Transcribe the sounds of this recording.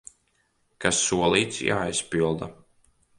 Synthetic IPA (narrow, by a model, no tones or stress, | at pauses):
kasːuɔlˠiːt̪sja̰ːjspilˠd̪a